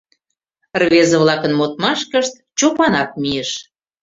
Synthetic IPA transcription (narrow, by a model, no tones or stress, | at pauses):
rβezəβlɑkənmot̪̚mɑʃkəʃt̪̚ | t͡ɕopɑnɑk̚mieʃ